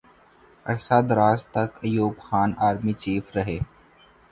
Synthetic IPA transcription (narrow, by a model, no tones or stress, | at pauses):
ɐ̰ɾsad̪ɾaːzt̪ɐkɐjuːbxaːnaːɾmit͡ʃiːfɾɐɦeː